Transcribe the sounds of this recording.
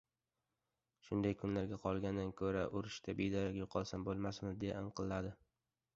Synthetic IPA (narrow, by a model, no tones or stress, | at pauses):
ʃʊnd̪ajkʰʊnlaɾɡʲaqʰɒlˠɡʲand̪ankʰɵɾaʔʊɾɪʃt̪ʰabed̪ɒɾakʲʊqʰɒlˠsambolˠmasmɪzd̪ejaɪnqʰɨlˠːad̪ɪ